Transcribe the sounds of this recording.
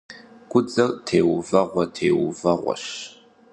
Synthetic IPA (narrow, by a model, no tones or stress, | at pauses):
ɡ̥ʷʊd͡zʼɐrtʰeːwvɐʁʷɐtʰeːwvɐʁʷɔ̰ɕ